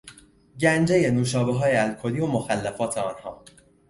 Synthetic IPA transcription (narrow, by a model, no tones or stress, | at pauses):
ɟænd͡ʒe̞je̞nuːʃɒːbeɦɒːjeælkʰo̞liːomoxælːæfɒːt̪ʰeɒːnhɒː